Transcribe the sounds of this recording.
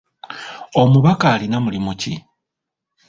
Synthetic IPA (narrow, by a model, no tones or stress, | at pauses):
o̞muβakaːlinamulimuci